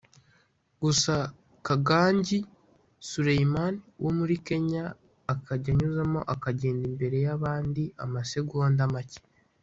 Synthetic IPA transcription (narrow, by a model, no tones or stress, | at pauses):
ɡusa | kaɡaːɲɟi | suɾejimaniwʔo̞muɾike̞ɲaː | kʰaɟaɲuzamo̞̰ʔakaɟe̞ːndimbe̞ɾe̞jaβaːndiʔa̰mase̞ɡuoːndamace̥